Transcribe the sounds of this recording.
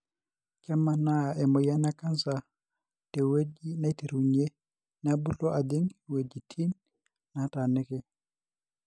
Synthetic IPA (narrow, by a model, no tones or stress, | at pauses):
kamːanaɛmɔjanakansa | tɛwed͡ʒinajtiɾuɲe | nabuɬɔʔadiŋwed͡ʒitʰinː | atanɛkɛ